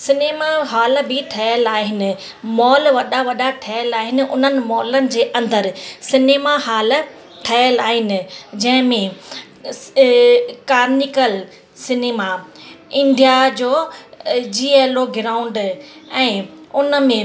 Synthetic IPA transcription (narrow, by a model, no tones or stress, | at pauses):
sɪneːmaɦaːlbɪʈʰɐjəlaːɦɪnɪ̆ | mɔːlʋɐɗaʋɐɗaʈʰɐəlaːɦɪnɪ̆ʔʊ̰n̤ənɪ̆mɔːlənɪ̆d͡ʑeːʔɐ̃nd̪əɾsɪneːmahaːl | ʈʰɐəlaːɦɪnɪ̆d͡ʑɐ̃ɦɪ̃mẽ | kaːɾnikəl | sɪneːmaɪ̃nɖ̪ijad͡ʑoː | d͡ʑiːeːloɡɪɾaːʊ̃ɳɖɛ̃ːʊnəmẽ